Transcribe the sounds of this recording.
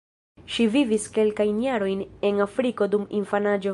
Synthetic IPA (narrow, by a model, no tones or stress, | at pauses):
ʃiviviske̞lkajnjaɾo̞jne̞nafɾiko̞dumḭnfanad͡ʒo̞